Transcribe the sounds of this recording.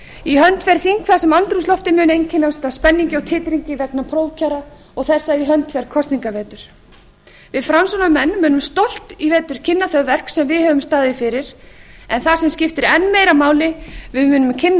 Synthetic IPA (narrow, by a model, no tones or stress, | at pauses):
iɦœnt̪fɛɾθiŋkθasɛmant̪ɾuslɔft̪ɪmʏːnejncʰɪnːast̪aspɛnːiɲcɪɔwt̪ʰɪːt̪ɾiɲcɪvɛknapʰɾoːwcʰaɾa | ɔɣθɛsːaiɦœnt̪fɛɾ̥kʰɔst̪niŋkavɛːt̪ʏɾ̥ | vɪðfɾansɔnamɛnːmʏːnʏmst̪owl̥t̪ivɛːt̪ʏɾ̥cʰɪnːaθœɣvɛr̥ksɛmvɪðhœːvʏmst̪aːðɪfɪɾɪɾ̥ɛnθasɛmscʲɪft̪ɪɾɛnːmeːjɾamaːwlɪvɪðmʏːnʏmcʰɪnː